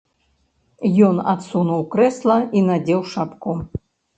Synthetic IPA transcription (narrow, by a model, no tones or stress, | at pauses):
jɔna̰t̪sunuwkɾɛslˠɐinad͡zʲɛwʂapku